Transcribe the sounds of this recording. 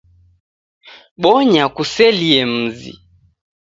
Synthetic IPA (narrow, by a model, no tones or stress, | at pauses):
ɓɔɲakusɛliɛm̩zḭ